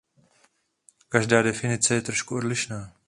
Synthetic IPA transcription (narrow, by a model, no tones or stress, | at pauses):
kaʒdaːdɛfɪnɪt͡sɛjɛt̪ɾoʃkuodlɪʃnaː